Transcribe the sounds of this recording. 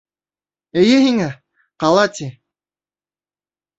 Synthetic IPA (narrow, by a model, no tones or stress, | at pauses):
ɘ̆jɘɦiŋæ | qɑlˠɑt̪ʲi